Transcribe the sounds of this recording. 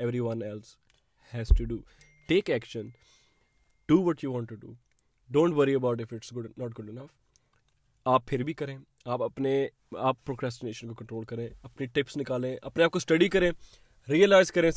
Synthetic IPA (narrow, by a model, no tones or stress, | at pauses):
ɛʋɾiʋɐ̃nɛls | hɛzʈuɖuː | ʈeːkɛkʃə̃n | ɖ̥uːʋɔʈjuʋɔ̃ːɳʈːuɖṵː | ɖõːɳʈʋəɾiəbaʊʈɪfɪʈsɡʊɖnɔːʈ̚ɡʊɖɪnɐf | aːpʰːɪɾbʱikɐɾẽː | aːpɐpne | aːpːɾoːkɾɛːsʈɪneːʃə̃nkokə̃ɳʈɾoːlkɐɾẽːɐpniʈɪpsnɪkaːlẽʔɐ̰pneaːp̚kosʈɐɖikɐɾẽː | ɾiːəlaːɪzkɐɾẽː